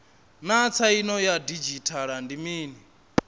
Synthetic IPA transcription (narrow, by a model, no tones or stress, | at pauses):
nat͡sʰainɔjadid͡ʒitʰaɺandimiːni